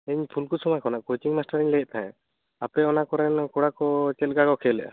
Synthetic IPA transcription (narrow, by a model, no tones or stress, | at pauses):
ɛɲpʰulkusɔmakɔnaʔkojt͡ʃiŋmasʈaɾiɲlɛʔ̚ˀt̪ʰaɛ̃ | apɛɔnakɔɾɛnkɔɽakɔt͡ʃɛl̚ɡakɔkʰɛlɛʔa̰